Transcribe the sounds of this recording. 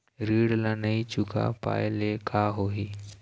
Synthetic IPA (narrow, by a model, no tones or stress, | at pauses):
ɾiɽlanəit͡ɕukʰa̰pa̰jlekʰaɦoɦi